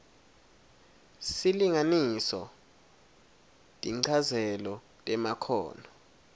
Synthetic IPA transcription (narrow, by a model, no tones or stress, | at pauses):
siliŋanisɔ | tʼiŋ͡ǀʰazɛlɔ | tʼɛmakʰɔ̰ːnɔ